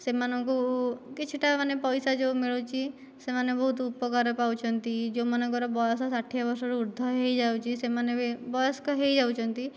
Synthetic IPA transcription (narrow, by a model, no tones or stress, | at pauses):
semanɔŋkukit͡ʃʰiʈamanepɔjsad͡ʒemiɭut͡ʃʰi | semanebɔɦut̪upɔkaɾɔpawt͡ʃʰɔnt̪id͡ʒomanɔŋkɔɾɔbɔjɔsɔsaʈʰijabɔɾsɔɾuuɾd̪ʱɔɦejd͡ʒawt͡ʃʰisemanebɔjɔskɔɦejd͡ʒawt͡ʃʰɔnt̪i